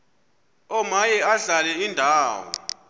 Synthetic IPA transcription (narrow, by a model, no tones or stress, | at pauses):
ɔmajɛaɮalɛindʱaːwɔ̰